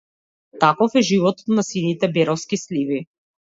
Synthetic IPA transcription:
t̪akɔfɛʒivɔt̪ɔ̥t̪nasinit̪ɛbɛɾɔfskislivi

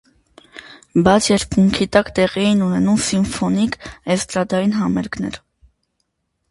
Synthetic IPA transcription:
bɑt͡sʰjɛɾpuŋkʰit̪ɑkt̪ɛʁiɛjinunɛnumsiɱfɔnikɛst̪ɾɑd̪ɑjinɦɑmɛɾknɛ̰ɾ

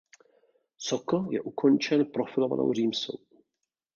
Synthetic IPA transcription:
sokojɛ̰ʔukont͡ʃɛnpɾofɪlova̰nʔo̰wriːmso̰w

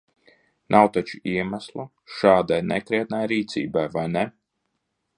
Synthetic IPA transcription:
nʔawt̪at͡ʃu̥iɛmæslˠu | ʃaːd̪ajnɛkɾɛt̪̚najɾiːt̪sḭːbajvajnɛ

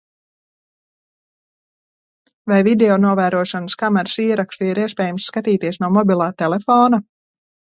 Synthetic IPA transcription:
vajvid̪eɔnuɔvæːɾuɔʃɔnəskamɛɾsiːɾakʃt̪uiɾiɛspʲɛːjamsːkat̪iːt̪iɛsnuɔmɔbʲilˠaːt̪ɛlefɔːna

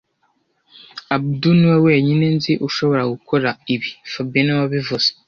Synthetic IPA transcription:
abduniweweːɲinenziʔuʃoβo̞ɾaɡukʰoɾaiβifabinewaβivuz̥ḁ

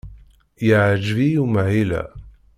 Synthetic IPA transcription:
jaʕd͡ʒvijumʕilæ̰

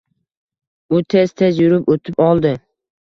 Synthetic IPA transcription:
ʊt̪ʰez̥t̪ʰezjʊɾɪpot̪ʰɪpɒlˠd̪ɪ

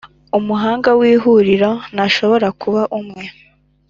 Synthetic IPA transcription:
umuɦaːŋɡawiːɦuɾiɾonaʃo̞βo̞ɾakʰuβaʔumŋe̞

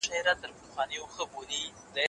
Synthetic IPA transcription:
ʃaɾat̪əɾpəxwɑnəjoxəboni | d̪ə

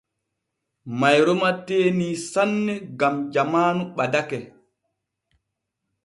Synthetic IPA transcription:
majɾɔmateːniːsanːɛɡamd͡ʒamaːnuɓadakɛ

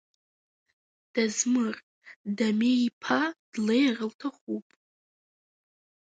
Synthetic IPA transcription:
d̥azmɨr | dameipʰad̥lejrəltʰaχupʼ

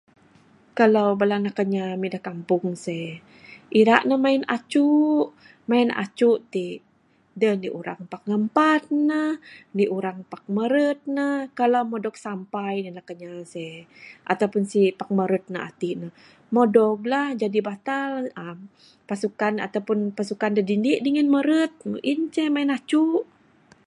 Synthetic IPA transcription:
kalawbalanahkəɲamidahkampʊŋse | ʔiɾaʔnəhmaina̰t͡ʃuʔ | maina̰t͡ʃuʔt̪iʔ | dəhniʔuɾaŋpak̚ŋəmpat̪̚nəhniʔuɾaŋpak̚məɾət̪̚nəhkalawmodɔk̚sampajnilahkəɲasɛʔa̰t̪awpʊnsipak̚məɾət̪̚nə̰ʔa̰t̪iʔnəh | modɔk̚lahd͡ʒadibat̪aləm | pasukana̰t̪awpʊnpasukandədindiʔdiŋənməɾət̪̚nṵʔint͡ʃəmaɪnat͡ʃuʔ

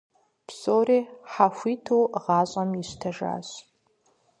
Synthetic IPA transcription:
psʼoːriːħaxʷiːtʰowʁɑːɕʼɐmiɕtʰɐʒa̰ːɕ

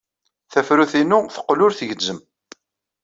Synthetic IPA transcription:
θæfɾuθinʊθə̥qːlʊɾθəʝəd͡zːəm

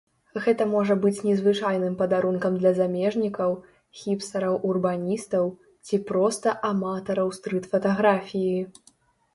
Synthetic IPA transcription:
ɣɛt̪ɐmɔʐɐbɨt͡sʲnʲɛzvɨt͡ʂajnɨmpɐd̪aɾunkɐmd̪lʲɐzamʲɛʐnʲikɐw | xʲipsɐɾɐwʔurbanʲist̪ɐw | t͡sʲipɾɔst̪ɐʔamat̪ɐɾɐwst̪ɾɨt̪fɐt̪aɣɾafʲiji

